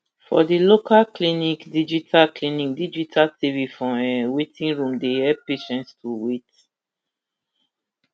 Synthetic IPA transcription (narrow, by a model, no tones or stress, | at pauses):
fɔ̰dilokalklĩnikdid͡ʒitʰalklinik̚did͡ʒitʰaltivifɹɔ̃ɛwetʰĩnɹũmdehɛpeʃɛ̃nstʰuwet